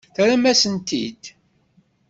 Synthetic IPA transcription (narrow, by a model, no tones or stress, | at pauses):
θɾæmæsənt̪ḭd̪